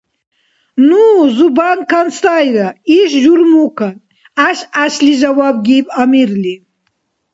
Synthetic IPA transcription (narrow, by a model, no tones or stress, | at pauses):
nuzubankʰanst̪ajɾaiʃʒuɾmukʰan | aʃaʃliʒawab̚ɡipamiɾli